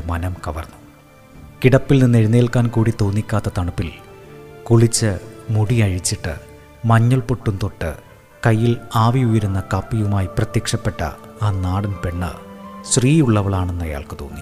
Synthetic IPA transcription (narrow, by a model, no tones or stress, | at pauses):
mɐnɐmkɐʋɐrnːu̥ | kiɽɐpːilninːe̞ɻinːeːɭkaːnkuːɽit̪o̞ːnːikʲːaːt̪ːɐt̪ɐɳɐpːil | kuɭit͡ɕːɨmuɽiɐɻit͡ɕːiʈːɨ̰ | mɐɲːuɭpoʈːunt̪o̞ʈːɨ̰ | kɐjːilaːʋiujɐɾunːɐkɐpːijʋumaːjiprɐt̪jɐkʂɐpːe̞ʈːɐ̰aːnaːɽɐnpe̞ɳːɨ̰ɕriːjuɭːɐʋɐɭaːɳe̞nːɐja̰ːɭkɨt̪o̞̰ːnːi